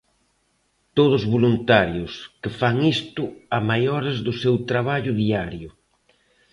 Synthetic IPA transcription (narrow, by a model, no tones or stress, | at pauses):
t̪oðʊzβolunt̪aɾjʊskɪfaŋist̪ʊamajɔɾazðʊsewt̪ɾaβaʎʊðiaɾjʊ